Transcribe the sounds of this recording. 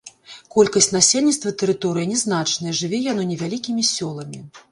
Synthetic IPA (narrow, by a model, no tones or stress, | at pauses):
kɔlʲkɐsʲtʲnasʲelʲnʲit̪t̪vɐt̪ɛɾɨt̪ɔɾɨjɐnʲɛznat͡ʂnɐjɐʐɨvʲɛjanɔnʲɛvʲalʲikʲimʲisʲɔlˠɐmʲi